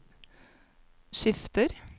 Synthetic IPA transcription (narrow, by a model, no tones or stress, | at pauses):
ʂɪft̪əɾ